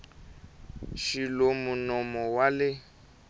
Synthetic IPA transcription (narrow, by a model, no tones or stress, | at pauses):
ʃilomunɔmɔwalɪ